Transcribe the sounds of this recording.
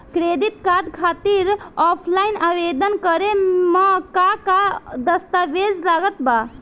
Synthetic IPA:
kɾed̪it̪kad̪kʰat̪iɾɔpʰlainaʋed̪ənkəɾeməkakad̪əst̪aʋed͡zlaɡət̪ba

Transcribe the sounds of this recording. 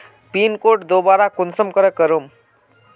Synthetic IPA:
pinkoʈd̪obaɾakunsəmkəɾəkəɾum

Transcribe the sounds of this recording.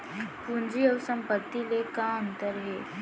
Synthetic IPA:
pund͡ziɔɾsəmpət̪ːilekaənt̪əɾɦe

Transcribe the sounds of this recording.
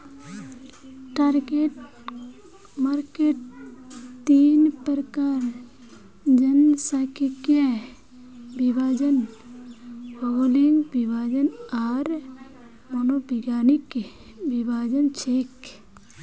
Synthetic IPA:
ʈaɾɡeʈ | maɾkeːʈ̚ | t̪iːnpəɾəkaːɾ | d͡ʒənsakike | bibʱaːd͡ʒən | holiŋɡbibʱad͡ʒənaɾ | monobiɡaːnike | bibʱaːd͡ʒənt͡ʃʰeːk

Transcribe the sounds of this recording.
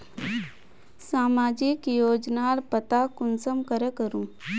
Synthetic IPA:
saːmaːd͡ʒɪkjoːd͡ʒnalpət̪akʊnsəmkəɾekəɾũː

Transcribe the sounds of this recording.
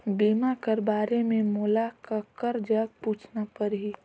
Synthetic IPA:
beːmakəɾbaːɾemẽmoːlakakəɾd͡ʒəɡ̚puːt͡ʃʰnapəɾɦiː

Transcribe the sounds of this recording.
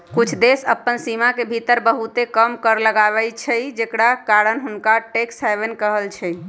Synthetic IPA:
kut͡ʃʰd̪esəpːənsimakebʱit̪əɾbəɦut̪ekəmkəɾləɡabɛt͡ʃʰɛjd͡ʒekɽakaɾənɦunkaʈeksabənkəɦəlt͡ʃʰɛj

